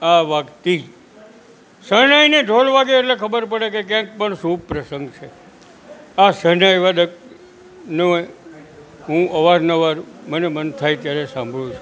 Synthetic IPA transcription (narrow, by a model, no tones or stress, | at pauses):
aʋakt̪i | sənaineɖʱolʋaɡeːʈlekʰəbəɾpəɽekekjãk̚pəɳsũb̚pɾəsəŋɡt͡ʃʰe | asəɾnajʋad̪ək | noe | ɦũəʋaɾnəʋaɾmənemənt̪ʰajt̪jaɾesãmbʱɭũt͡ʃʰu